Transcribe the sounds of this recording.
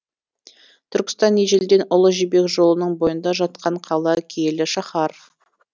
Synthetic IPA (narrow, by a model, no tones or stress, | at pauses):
t̪ʰʏɾkʲɪ̥st̪ɑnːeʒeld̪e̞nʊlˠəʒibe̞kʒo̞lˠənəɴbo̞jənd̪ɑʒɑt̪̚qɑɴqʰɑlˠɑkʲʰeelɪʃɑχɑɾ